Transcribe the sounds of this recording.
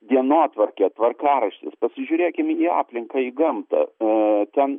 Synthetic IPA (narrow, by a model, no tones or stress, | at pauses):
d̪ʲiɛnoːt̪ʋɐrkʲɛt̪ʋɐrkɑːɾɐʃʲt̪ʲɪ̰spɐsʲɪʒʲʊːɾʲeːkʲɪmiːɑ̰ːpʲlʲɪŋkɐiːɡɐmt̪ɐ̰t̪ʲɛn